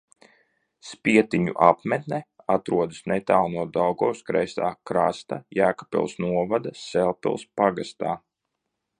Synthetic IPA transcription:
spʲiɛt̪iɲṵʔapmɛt̪nɛ | at̪ɾuɔd̪ɨsnɛt̪aːlˠnuɔd̪awɡɔwskɾɛjst̪a̰ːkɾast̪ajæːkḁpɛ̰lˠsnuɔvad̪asɛlˠpɛ̰lˠspaɡast̪a̰ː

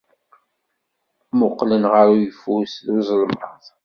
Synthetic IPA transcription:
mʊqːlənʁəɾujəfusðuzˤəlmə̰ðˤ

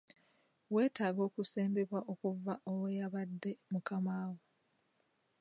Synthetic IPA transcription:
we̞ːtaːɡo̞ːkuseːmbeβwaʔokuvaʔowejaβadːe̞mukamaːwo

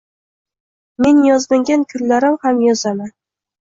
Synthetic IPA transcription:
me̞njɒzlɪŋɡʲankʲʰʊɾlaɾɪmhamjɒzaman

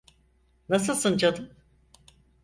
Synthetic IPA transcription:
nasɯlˠsɯnd͡ʒad̪ɯm

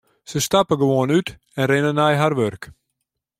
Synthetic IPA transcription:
səstapəɡəʋoənyt | ɛnrɪnənɛjɦarʋørk

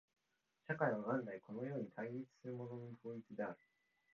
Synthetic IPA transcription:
ɕakaiβaɡãnd̪aiko̞no̞jo̞ːɲ̟it̪ʰaiɾʲit͡sɨ̥sɨɾɯ̟mo̞no̞nobɯːit͡sɨd̪e̞aɾɯ̟̥

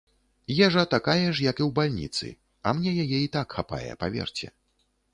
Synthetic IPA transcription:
jɛʐɐt̪akajɛʂjɐkiwbalʲnʲḭt̪sɨ̰ | ɐmnʲɛjajɛit̪akxapa̰jɛ̰pavʲɛ̰rt͡sʲɛ̰

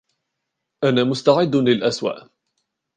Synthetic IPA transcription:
ʔanaːmʊst̪aʕɪd̪ːlɪlʔaswa̰ːʔ

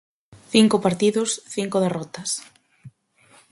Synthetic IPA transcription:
θiŋkʊpaɾt̪iðʊsθiŋkʊðerɔt̪ɐs

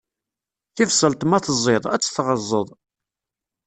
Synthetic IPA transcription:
θivsəlt̪ˤmæθəzˤːeðˤæ̰t͡sːə̥θʁəzˤːəðˤ

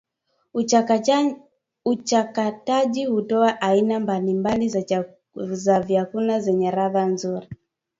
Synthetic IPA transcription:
ut͡ʃakataʄihutɔaʔainambalimbali | zavjakunazɛɲɛɾaðanzuɾi

